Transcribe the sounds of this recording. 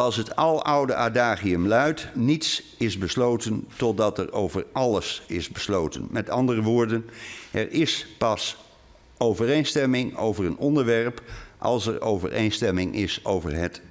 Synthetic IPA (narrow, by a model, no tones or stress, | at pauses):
ɑlˠsɦətɑlˠʌwdəʔadaːχiəmlœɥtnits | ɪzbəslowtəntɔt̚dɑtɛɹowvəɹʔɑləsɪzbəslowtə̰nmɛtɑndərəʋʊːɹdənʔɛɹʔɪspɑs | owvərejnstɛmɪŋo̰wvəɹənɔndəɹʋɛɹpʔɑ̰lˠsɛɹʔowvə̰ɹʔḛjnstɛmɪŋʔɪsowvə̰ɹɦət